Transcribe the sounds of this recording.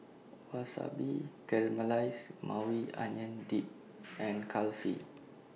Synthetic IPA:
wasa̰bikɛɹməlajsmʔãwia̰ɲə̃ndip̚ | ɛ̃nkʰalfḭ

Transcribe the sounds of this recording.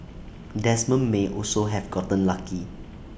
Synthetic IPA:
dɛsmə̃nmeʔɔlsoɦɛvɡɔtə̃nlaki

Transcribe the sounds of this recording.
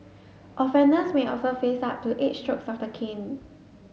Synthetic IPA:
ʔɔfɛ̃ndəsmeʔɔ̰lsofesap̚tːuʔetstɹoksɔfdəkʰĩn

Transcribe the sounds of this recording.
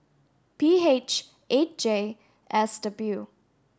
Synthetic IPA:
piːet͡ʃ | ʔet̚d͡ʒe | ʔɛsd̥əbju

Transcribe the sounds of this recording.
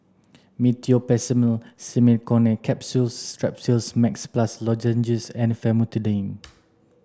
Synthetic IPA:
mitiopɛsiməlsimikɔ̃nɛkʰɛpsulstɹɛp̚silsmɛksplaslɔd͡ʒə̃nd͡ʒisɛ̃nfɛmutudẽn

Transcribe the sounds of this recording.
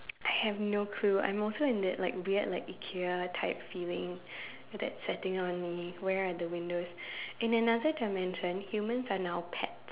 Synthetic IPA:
ʔaɪhɛvnokʰluã̰ɪ̃mɔlsoɪ̃ndɛtlaɪkɹiətlaɪkikʰiətʰaɪp̚filɪ̃ŋ | d̪ɛ̰tsɛtɪ̃ŋɔ̃nmiwɛɹadəwɪ̃ndosɛ̃nənadətʰəmɛ̃nʃə̃nhjumə̃nsanaʊpʰɛ̰t̚

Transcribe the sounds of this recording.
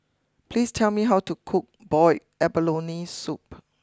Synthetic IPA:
pʰlistʰɛlmiɦawtukʰʊk̚b̥ɔɪ | ɛbəlõnisup

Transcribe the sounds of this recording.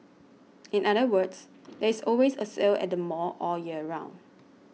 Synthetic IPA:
ĩnaɾəwəds | dɛisɔlwesəselɛ̰t̚dəmɔʔɔjiəəɹãʊ̃n

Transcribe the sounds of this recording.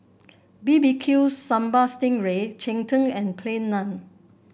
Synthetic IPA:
bibikʰjusːãmbastɪ̃ŋɹet͡ʃɛ̃ŋtə̃ŋɛ̃npʰlẽnːãn

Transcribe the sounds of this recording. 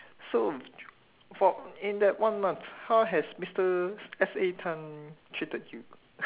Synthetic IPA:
so | fɔĩndɛt̚wãnmãnθhaʊɦɛsmistəɛsetʰãntʰɹitəd̚ju

